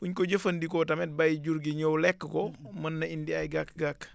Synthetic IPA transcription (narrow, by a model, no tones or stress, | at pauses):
puɲkoɟəfɐndikɔtɐmɛt̚bajɟuɾɡiɲowlɛkːəkɔmɐnːɐindiajɡakɡak